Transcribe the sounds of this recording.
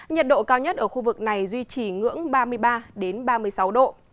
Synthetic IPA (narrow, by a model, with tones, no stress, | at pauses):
ɲə˨˩t̚ɗo̰˧˨kaː˧wɲə˦˥t̚ʔəː˧˩xu˧vɨ˨˩k̚na˨˩jzwi˧t͡ɕi˨˩ŋɨ̰˧˥əŋɓaː˧mɨ˧əjɓaː˧ɗe˨˦nɓaː˧mɨ˧əjsa˨˦wɗo̰˧˨